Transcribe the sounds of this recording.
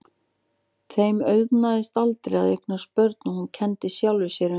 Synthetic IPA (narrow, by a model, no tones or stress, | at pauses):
t̪ʰejmœɥvnaðɪst̪alt̪ɾɪa̰ðḛjk̚nḁspœɾt̪nahuncʰɛnt̪ɪsjawlvɪsjɛɾʏ